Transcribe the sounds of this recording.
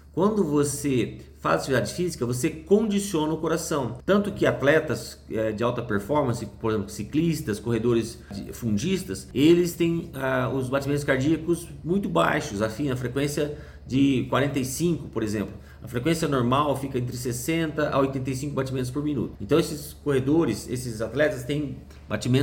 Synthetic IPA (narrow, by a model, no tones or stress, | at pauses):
kwɐ̃nd̪ʊvosefa̰zat͡ʃivid̪ad͡ʒɪfizikɐvosekõd͡ʒisiõnɐʊkoɾasɐ̃w̃t̪ɐ̃nt̪ʊkɪat̪lɛt̪ɐs | ɛd͡ʒɪawt̪ɐpeɾfɔɾmɐ̃sɪpoɾezẽplʊsiklist̪ɐskohed̪oɾɪs | d͡ʒɪ̰fũd͡ʒist̪ɐselɪst̪ẽj̃aʊzbat͡ʃimẽnt̪ʊskaɾd͡ʒiɐkʊz | mũj̃t̪ʊbajʃʊsɐfĩnɐfɾekwẽsiɐ | d͡ʒɪkwaɾẽnt̪ejsĩŋkʊpoɾezẽmplʊ | ɐfɾekwẽsijɐnoɾmawfikɐẽnt̪ɾɪsesẽnt̪ɐʔa̰ojt̪ẽnt̪̬ɐjsĩŋkʊbat͡ʃimẽt̪ʊspoɾminṵt̪ʊẽt̪ɐ̃w̃esɪskohed̪oɾɪsḛsɪzat̪lɛt̪ɐst̪ẽj̃ | bat͡ʃimẽn